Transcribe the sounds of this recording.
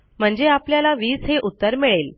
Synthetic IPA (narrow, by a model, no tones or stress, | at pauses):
m̤əɳd͡zeapljalaʋiːsɦeʔut̪ːəɾmiɭel